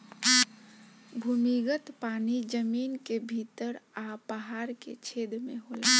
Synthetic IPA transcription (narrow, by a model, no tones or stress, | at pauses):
bʱumiɡət̪panid͡ʒəmiːnkebʱit̪əɾapəɦaɾkḛt͡ʃʰed̪meɦola